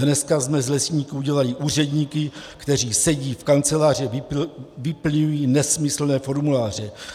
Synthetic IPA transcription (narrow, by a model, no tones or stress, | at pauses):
nɛskazmɛzlɛsɲiːkuuɟɛlalɪʔuːr̝ɛdɲiːkɪkt̪ɛr̝iːsɛɟiːfkant͡sɛlaːr̝ɛɪvɪpl̩ɲujiːnɛsmɪsl̩nɛːfo̞ɾmulaːr̝ɛ